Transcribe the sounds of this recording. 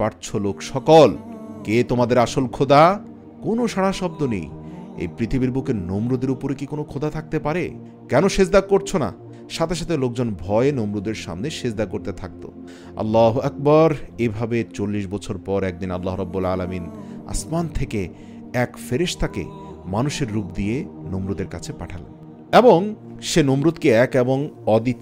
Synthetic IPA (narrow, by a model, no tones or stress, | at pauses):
paɾt͡ɕʰolokʃɔkolket̪omad̪eɾaʃolkʰod̪a | konoʃaɽ̃aʃɔb̚d̪onḛjḛpɾit̪ʰibiɾbokeɾnomɾod̪eɾupoɾekikonokʰod̪at̪ʰak̚t̪epaɾḛ | kɛnoʃed͡ʑd̪akoɾt͡ɕʰona̰ | ʃat̪ʰeʃat̪ʰelok̚d͡ʑonbʱɔenomɾod̪eɾʃa̰mneʃed͡ʑd̪akoɾt̪et̪ʰak̚t̪o̰ | ɐ̰lːaɦuɐk̚baɾebʱabet͡ɕolːiʃbɔt͡ɕʰoɾpɔɾɛk̚d̪inalːaɦɾɔbːulaːlamina̰smant̪ʰeke | ɛkfeɾeʃt̪ʰakḛ | manuʃeɾːupd̪ienomɾod̪eɾkat͡ɕʰepaʈʰalḛn | eboŋ | ʃenomɾud̪keɛkeboŋɔd̪i